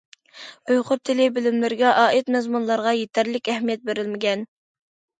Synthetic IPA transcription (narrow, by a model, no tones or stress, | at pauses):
ojqʊɾt̪ʰːɪlɪbɪlɪmlɪɾɡʲɛʔɑːɪt̪mɛzmunlˠɑɾʁɑjet̪ʰæɾlɪkʲɛhmijɛt̪̚beɾɪlmɪɡʲɛn